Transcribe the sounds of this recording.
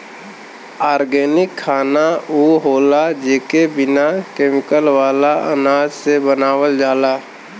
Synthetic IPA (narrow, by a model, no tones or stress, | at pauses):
aːɾɡɛːnɪkʰːaːnauːɦoːlad͡ʒeːkebɪnakeːmɪkəlʋaːlaə̰naːd͡ʒsebənaːwəld͡ʒaːlaː